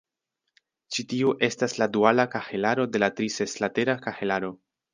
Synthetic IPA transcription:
t͡ʃitiuʔe̞stasladualakaxelaɾo̞de̞latɾise̞slate̞ɾakaxelaɾo̞

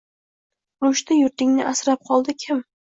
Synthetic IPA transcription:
ɾʊʃt̪ɪjʊɾt̪ɪŋnɪʔasɾap̚qʰɒlˠd̪ɪkʲʰɪm

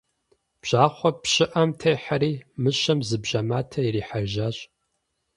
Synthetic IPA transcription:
b̥ʑ̥aːχʷɔpɕɪʔɐmtʰejħaɾiːmɨɕɐmzɨbʑɐmaːtʰɐiriːħaʒaɕʼ

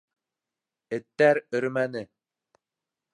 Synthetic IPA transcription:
ɘ̆t̪ːæɾɵ̆ɾmænɘ

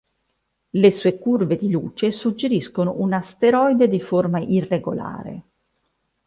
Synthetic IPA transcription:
lesuːekurved̪iluːt͡ʃesud͡ʒːeɾiskonoʔunast̪eɾɔjd̪ed̪iformaʔireɡola̰ːɾḛ

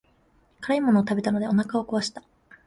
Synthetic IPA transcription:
kaɾaimo̞no̞ːt̪abe̞t̪ano̞d̪e̞o̞nakao̞koβaɕi̥t̪ḁ

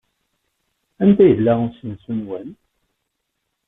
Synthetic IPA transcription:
ænt̪æjəlːæsənsunwæn

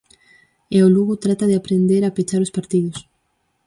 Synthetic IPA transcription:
eoluɣʊt̪ɾat̪aðɪapɾend̪eɾapet͡ʃaɾʊspaɾt̪iðʊs

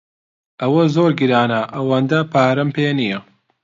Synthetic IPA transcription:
ʔɐwɐzoːɾɡiɾaːnɐʔɐwɐnd̪ɐpʰaːɾɐmpeːnijɐ

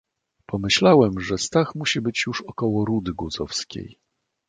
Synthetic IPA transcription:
pɔmɘɕlawɛmʐɛst̪axmuɕibɘt͡ɕjuʂɔkɔwɔɾud̪ɘɡwuzɔfskʲḛj

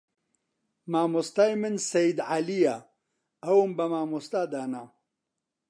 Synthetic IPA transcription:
maːmust̪ajmɨnsɐjid̪ʕalija | ɐwumbɐmaːmust̪aːd̪aːna

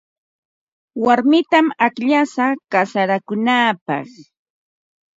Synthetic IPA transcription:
waɾmɪt̪amakʎasakasaɾakʊnaːpɑ̰χ

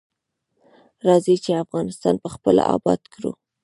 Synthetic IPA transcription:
ɾɑzit͡ʃeafɣɑnɪst̪ɑnpəxpəla̰ɑ̰bɑd̪kɾṵ

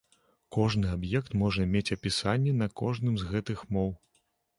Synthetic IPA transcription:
kɔʐnɨabjɛkt̪mɔʐɐmʲet͡sʲɐpʲisanʲːɛnɐkɔʐnɨmzɣɛt̪ɨxmɔw

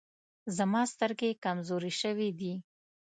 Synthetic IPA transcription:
zamɑst̪əɾɡekamzoɾiʃəwid̪i

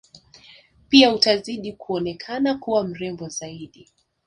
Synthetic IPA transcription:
piautaziɗikuɔnɛkʰanakuwam̩ɾɛmbɔzaiɗi

